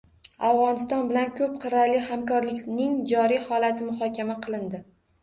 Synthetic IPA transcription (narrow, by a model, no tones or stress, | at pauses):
avʁɒnɪst̪ɒnbɪlankʰɵp̚qʰɨɾalɪhamkɒɾlɪkʲnɪŋd͡ʒɒɾijhɒlat̪ʰɪmʊhɒkʲʰamaqʰɨlˠɪnd̪ɪ